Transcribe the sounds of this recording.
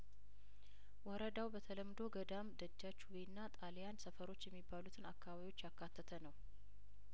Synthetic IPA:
wɔɾəd̪awbət̪ʰələmd̪o̞ɡəd̪amd̪əd͡ʒːat͡ʃːuwjnːat̪ʼaljansəfəɾo̞t͡ʃːjɛmːibːalut̪ʰɨnakʰːaβaβio̞t͡ʃːjakːat̪ʰːət̪ʰənəw

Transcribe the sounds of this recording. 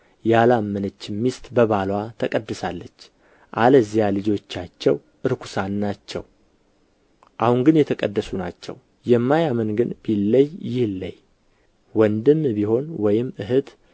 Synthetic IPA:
jalamːənət͡ʃːɪmːist̪ʼbəβalwat̪ʰəkʼəd̪ːɨsalːət͡ʃː | ʔaləzijalɨd͡ʒo̞t͡ʃːat͡ʃːɛw | ʔɨɾkʷʰu̥sanːat͡ʃːɛ̰w | ʔahunɡɨnjɛt̪ʰəkʼəd̪ːəsunat͡ʃːɛ̰w | jɛmːajamənɡɨnb̥ilːəjːɪhlːə̰j | wɔnd̪ɨmbiho̞nwɔjɪmɨɦɨt̪

